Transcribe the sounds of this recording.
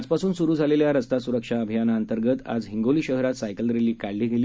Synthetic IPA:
d͡zpasuːnsuɾuːd͡zʱaleljaɾəst̪asuɾəkʂaəbʱijanaənt̪əɾɡət̪a̰d͡zɦiŋɡoliːɕəɦɾat̪sajkəlɾeliːkaɽliːɡʱeli

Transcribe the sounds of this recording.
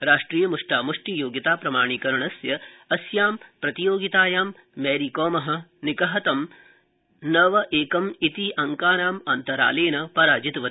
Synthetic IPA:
ɾaːʂʈɾiːjɐmuʂʈaːmuʂʈijoːɡit̪aːpɾɐmaːɳ̃ikɐɾɐɳɐsjɐɐsjaːmpɾɐt̪ijoːɡit̪aːjaːmː | ɛːɾikɔːmɐɦɐ̆nikɐɦɐt̪ɐm | nɐʋɐʔeːkɐmit̪iʔɐŋkaːnaːmɐnt̪ɐɾa̰ːleːnɐpɐɾaːd͡ʒit̪ʋɐt̪

